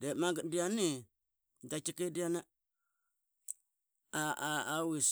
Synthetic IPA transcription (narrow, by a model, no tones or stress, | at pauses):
demaɡədijani | dat͡ʃikidijana | aawis